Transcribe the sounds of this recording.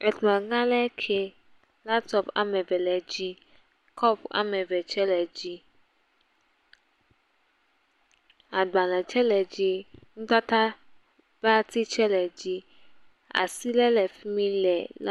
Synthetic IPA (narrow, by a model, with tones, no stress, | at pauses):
ɛ˨t̪mã˨ŋã˦lɛ˦kʰe˨ | la˦t̪ɔ˦pa̰˨mɛ̃˨vɛ˨lɛ˨d͡ʑi˦ | kʰɔ˦pa̰˨mɛ̃˨vɛ˨t͡ʃɛ˦lɛ˨d͡ʑi˦ | a˨ɡ͡ba˨lɛ˨t͡ʃɛ˦lɛ˨d͡ʑi˦ŋũ˦t̪a˦t̪a˦ | va˦t̪i˦t͡ʃɛ˦lɛ˨d͡ʑi˦ | a̰˨si˦lɛ˦lɛ˨fi˦mĩ˦lɛ˨la˦